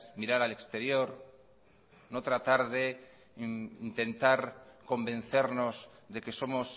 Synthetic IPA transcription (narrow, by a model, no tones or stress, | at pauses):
miɾaɾale̞kst̪e̞ɾjo̞ɾ | no̞t̪ɾat̪aɾðe̞ | int̪e̞nt̪aɾko̞mbẽ̞n̟θe̞ɾno̞zðe̞ke̞so̞mo̞s